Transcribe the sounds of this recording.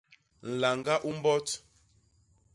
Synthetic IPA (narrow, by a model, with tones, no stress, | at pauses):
n̩˨la˨ŋɡa˦ʔu˦m˦bɔ˦t